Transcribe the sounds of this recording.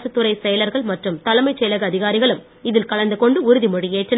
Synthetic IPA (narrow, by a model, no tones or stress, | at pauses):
sɯt̪ːɯɾɐɪsɛjɐlɐɾɣɐɭmɐʈrɯmt̪ɐlɐmɐɪt͡ʃːɛjlɐɣɐɐðɪɣaːɾɪɣɐɭɯm | ɪðɪlkɐɭɐnd̪ɯkɔɳɖɯʊɾɯðimʊɽɪjeːʈrɪn